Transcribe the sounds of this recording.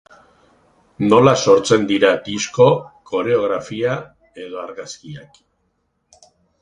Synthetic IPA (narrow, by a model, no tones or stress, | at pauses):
no̞laso̞ɾt͡se̞nd̪iɾad̪isko̞kʰo̞ɾe̞o̞ɣ̞ɾafia | e̞ð̞o̞aɾɣaskiak